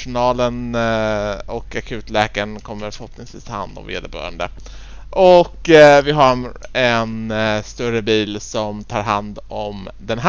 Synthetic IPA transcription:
ʂʊnɑːlən | ɔkakʰʉ̟ːt̪lɛːkaɾənkʰɔmːəɾfəɾhɔpnɪŋsviːst̪ʰɑha̰nd̪ɔ̰mvḛːd̪əɾbœ̰ːɾə̰nd̪ə̰ | ʔɔkːvɪɦaɾɛnst̪ɵɾəbiːlsɔmt̪ʰɑːɾɦand̪ɔmd̪ɛnɦ

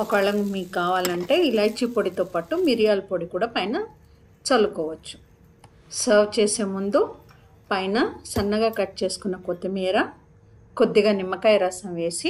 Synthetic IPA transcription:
ɔkɐɐɭɐmmiːkːaːʋaːlɐɳʈe̞ːilaːjt͡ʃːipoːɽit̪oːpaːʈumiɾijaːlpoɽikuːɽaːpɐjnɐ | t͡ʃɐlːukɔːʋɐt͡ʃːu̥ | sɐːɾʋt͡ʃeːse̞ːmund̪u | pɐjnɐsɐnːɐɡaːkɐʈ̚ːt͡ʃe̞ːsu̥kunːɐkot̪ːimiːɾɐ | kod̪ːiɡaːnimːɐkɐjɾaːsɐmʋe̞ːsi

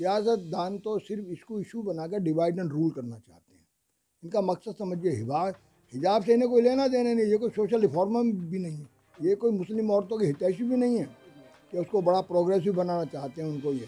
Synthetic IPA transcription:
ɾɪjaːsət̪̚d̪aːnt̪osɪɾfɪskoɪʃubɐnaːkeɾɖɪʋaːɪɖə̃ɳɖɾuːlkɐɾnat͡ʃa̰ːɦt̪eɦɛ̃ | ɪnkamɐksəd̪sɐməd͡ʒʱeɦɪʋaː | hɪd͡ʒaːbsenek̬oileːnad̪eːnanɐɦĩjekoːisoːʃəlɾɪpʰɔːɾməmbʱinɐɦĩɦɛ̃ | jekoːimʊslɪmɔːɾt̪õkiɦɪt̪ɛːʃibʱinɐɦĩɦɛː | keʊskobɐɽapɾoːɡɾɛːs̬ibɐnaːnat͡ʃaːɦt̪eɦɛ̃ʊnkojeː

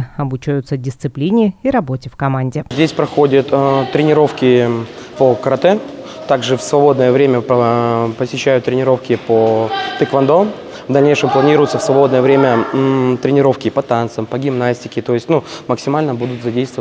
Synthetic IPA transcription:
ɐbut͡ɕæjʊt̪sədʲɪst̪sɨplʲinʲɪiɾɐbo̞tʲɪfkɐmanʲdʲɪzʲdʲesʲpɾɐxo̞dʲət̪t̪ɾʲɪnʲɪɾo̞fkʲɪpəkəɾɐt̪ɛ | t̪aɡʐɨfsvɐbo̞d̪nəjəvɾʲemʲəpəpəsʲɪɕːæjʊt̪ːɾʲɪnʲɪɾo̞fkʲɪpot̪ɨkvɐnd̪o | vd̪ɐlʲnʲejʂɨmplˠɐnʲiɾʊjʊt̪səfsvɐbo̞d̪nəjəvɾʲemʲət̪ɾʲɪnʲɪɾo̞fkʲɪpɐt̪ant̪səmpəɡʲɪmnasʲtʲɪ̥kʲɪt̪o̞ɪsʲtʲnuməksʲɪmalʲnəbud̪ʊt̪zɐdʲejst̪v

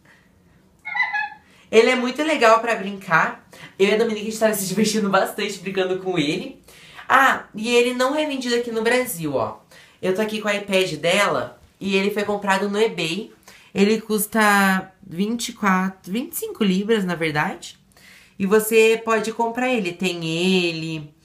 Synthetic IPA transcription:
elɪɛmũj̃t̪ʊleɡawpɾɐbɾĩŋkʰaɾewɛd̪õmĩnikɐɪst̪avɐsɪd͡ʒiveɾt͡ʃĩnd̪ʊbast̪ɐ̃nt͡ʃɪbɾĩɡɐ̃nd̪ʊkõelɪ | aɪelɪnɐ̃w̃ɛvẽd͡ʒid̪ʊakinʊbɾaziwɔ̰ | ewt̪oakikõajpɛd͡ʒɪd̪ɛlɐ̰ | ɪelɪfojkõpɾad̪ʊnʊebej | elɪkust̪ɐvĩt͡ʃɪkwat̪ɾʊvĩt͡ʃɪ̥sĩŋkʊlivɾɐznɐveɾd̪ad͡ʒɪ | ɪvosepɔd͡ʒɪkõmpɾaɾelɪt̪ẽj̃elɪ

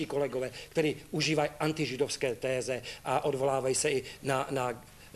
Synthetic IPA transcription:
ikolɛɡovɛːkt̪ɛɾiːuʒiːvajʔant̪ɪʒɪdofskɛːt̪ɛːzɛʔaʔod̪volaːvajisɛɪnana

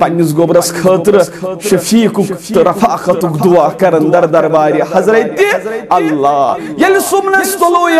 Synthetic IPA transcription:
pɐnːizɡoːbɾɐskʰəːt̪ɨɾʃɐfiːkukt̪ɨɾɐfaʔqɐt̪ukd̪uwaːkɐɾɨnd̪ɐɾd̪ɐɾbaːɾʲihɐzɾɐjt̪ːiɐlːaː | jɐlisumnɐst̪oloːj

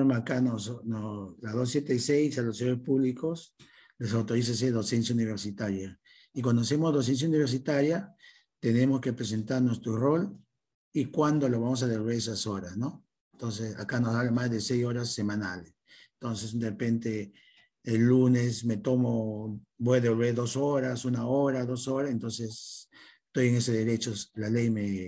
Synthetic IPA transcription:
oɾmaakanosnolaðos̬ːjet̪eisejsaloseoɾespuβlikos | lesawt̪oɾis̬as̬eðo̞se̞ns̬jauniβ̞eɾsit̪aɾja | ik̬wand̪oas̬emozðos̬e̞ns̬jauniβeɾs̬it̪aɾja | t̪ene̞moskepɾes̬ent̪aɾnwest̪ɾorol | ikwand̪oloβamos̬aðeɾβeɾesasoɾasno | ent̪ons̬esa̰kanosaβlemazðe̞sejso̞ɾasːemãnales | ent̪o̞ns̬esd̪erepe̞nt̪eː | lːune̞sme̞t̪o̞mo | bo̞jaðeβolβeɾðo̞soɾasunaoɾaðo̞so̞ɾaent̪o̞ns̬es | t̪o̞je̞ŋe̞seðe̞ɾe̞t͡ʃoslalejme

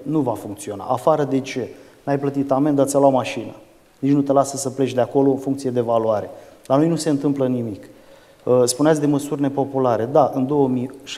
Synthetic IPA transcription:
nuvafuŋk̚t̪sio̞na̰ʔafaɾəd̪e̞t͡ʃe̞ | najplət̪it̪ame̞nd̪at̪sʲaloamaʃinə | nit͡ʃnut̪e̞lasəsəple̞t͡ʃd̪eako̞lo̞ɨnfuŋkt̪sije̞d̪e̞valuaɾe̞lano̞jnuse̞ɨnt̪ɨmplənimik | əspuneat̪sʲd̪e̞məsurʲne̞po̞pulaɾe̞d̪aʔɨnd̪o̞wəmiʃ

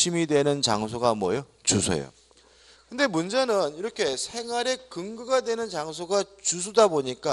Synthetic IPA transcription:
imidwe̞nɯnt͡ɕa̰ŋs̬ʰoɡamwʌjot͡ɕusʰḛjo̰ | kɯnde̞mund͡ʑenɯniɾʌkʰe̞sʰe̞ŋwaɾe̞kɯŋɡɯɡadwe̞nɯnt͡ɕaŋs̬ʰoɡat͡ɕusʰudaboɲik͈a

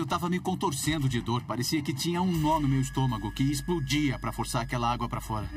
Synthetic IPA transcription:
ewt̪avɐmɪkõnt̪oɾsẽnd̪ʊd͡ʒɪd̪oɾpaɾesiɐkɪt͡ʃĩɲɐũnõmɪʊmejʊist̪õmɐɡʊkɪːsplod͡ʒiɐpɾɐfoɾsaɾakɛlɐaɡwɐpɾɐfɔɾɐ

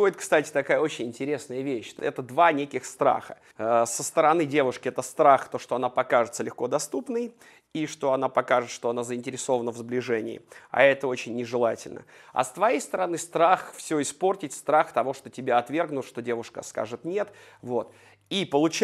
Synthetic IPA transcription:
oɪt̪̚kst̪atʲɪ̥t̪ɐkajəo̞t͡ɕɪnʲɪnʲtʲɪɾʲe̞snəjəvʲeɕɛ̰t̪əd̪vanʲekʲɪxst̪ɾa̰xə | sːəst̪əɾɐnɨdʲe̞vʊʂkʲɪɛt̪əst̪ɾaxt̪o̞ʂt̪oɐnapɐkaʐɨt̪səlʲɪxko̞d̪ɐst̪upnɨj | iʂt̪o̞ɐnapɐkaʐɨt̪ʂt̪oɐnazəɪnʲtʲɪɾʲɪso̞vənəvzblʲɪʐɛnʲɪ̰ɪ̰a̰ɛt̪əo̞t͡ɕɪnʲːɪʐɨlˠatʲɪ̰lʲnə̰ɐ̰st̪vɐjejst̪əɾɐnɨst̪ɾaxfsʲoɪspo̞rtʲɪtʲst̪ɾaxt̪ɐvo̞ʂt̪o̞tʲɪbʲaɐt̪vʲe̞rɡnʊt̪ʂt̪o̞dʲe̞vʊʂkə̰ska̰ʐɨt̪nʲe̞t̪ | vot̪ | ipəlˠʊt͡ɕ

